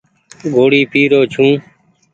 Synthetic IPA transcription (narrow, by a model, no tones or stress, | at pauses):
ɡoːɽiːpʰiːɾoːt͡ʃʰũː